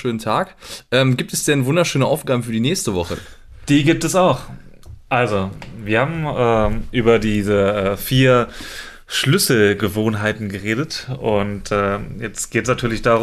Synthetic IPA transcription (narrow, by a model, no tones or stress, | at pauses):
ʃøːn̩tʰaːkʔɛːmɡiːp̚tɛsd̥ɛnvʊndɐʃøːnəʔaʊfɡ̥aːbəfyːɐdiːnɛːçstəvɔχə̰ | d̥iːɡiːp̚tɛsaʊx | ʔalzoviːɐhaːbm̩ʔɛːʔyːbɐdiːzəɛːfiːɐ | ʃlʏsl̩ɡəvoːnɦaɪtn̩ɡəʁeːdətʊntɛːjɛt͡stɡ̥eːtəsnatʰyːɐlɪçd̥aːʁ